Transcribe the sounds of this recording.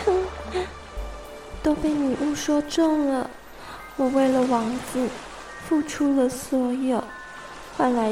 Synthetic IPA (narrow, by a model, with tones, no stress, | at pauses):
t̪o˥ʊpe˥˩ɪni˨˩ʔu˥˩ʂwɔ˥ʈ͡ʂɤ˥˩ŋlə˩ | wɔ˨˩we˥˩ɪlə˩wɑ˧˥ŋd͡zɹ̩˧ | fu˥˩ʈ͡ʂʰu˥lə˨swɔ˧˥jo˨˩ʊ | xa˥˩nla˧˥